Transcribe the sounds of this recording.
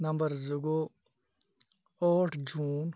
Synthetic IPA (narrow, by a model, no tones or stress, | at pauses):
nɐ̃mbəɾzʊɡo | ɔːʈʰd͡ʒuːn